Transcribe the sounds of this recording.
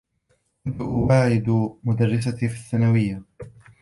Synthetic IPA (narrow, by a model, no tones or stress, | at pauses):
ʔɪnt̪ʊʔwaːʕɪd̪mʊd̪arːɪs̬at̪ifiθːanawɪjːa